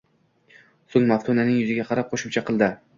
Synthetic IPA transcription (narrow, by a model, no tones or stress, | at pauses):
soŋmaft̪ʰunanɪŋjʊzɪɡʲaqʰɑɾap̚qʰoʃɪmt͡ʃʰaqʰɨlˠd̪ɪ